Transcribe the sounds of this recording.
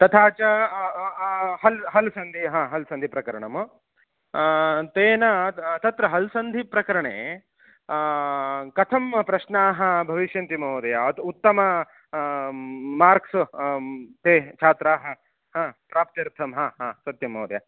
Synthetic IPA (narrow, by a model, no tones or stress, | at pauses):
t̪ɐt̪ʰaːt͡ʃɐ | ɦɐlɦɐlsɐnd̪ʱiɦãːɦɐlsɐnd̪ʱipɾɐkɐɾɐɳɐm | t̪eːnɐt̪ɐt̪ɾɐɦɐlsɐnd̪ʱipɾɐkɐɾɐɳḛː | kɐt̪ʰɐmpɾɐʃɳaːɦɐ̆bʱɐʋiʃjɐnt̪imɐːwd̪ɐjaɐt̪ut̪ːɐmɐ | maːɾks | t̪eːt͡ʃʰaːt̪ɾaːɦɐ | ɦãːpɾaːp̚t̪jɐɾt̪ʰɐmɦaːɦaːsɐt̪jɐmɐwd̪ɐja